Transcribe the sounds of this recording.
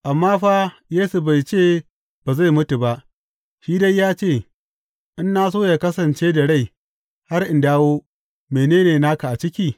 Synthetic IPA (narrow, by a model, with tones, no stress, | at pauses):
ʔa˨mːaː˦ɸaː˦jeː˦su˨ba˨jt͡ʃeː˦˨ | b̥aː˨za˦˨jmʊ˦tu˨ba˦ʔ | ʃiː˦da˦jjːaː˦t͡ʃeː˦˨ | ʔɪ˦nːa˦s̬oː˦ja˨kɐ˦sɐ˨nt͡ʃeː˦da˨ɽa˦˨j | ha˦rʔɪ˨ndaː˦woː˦ | meː˨neː˦neː˨naː˦ka˨ʔa˨t͡ʃɪ˦kʲiː˦˨